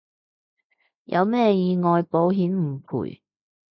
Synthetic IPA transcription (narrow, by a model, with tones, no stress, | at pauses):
jʔɐ̰˨˧wmɛː˥˩jiː˨˧ŋɔː˨jpo˨˥wɦiː˨˥nm̩˨˩pʰṵː˨˩j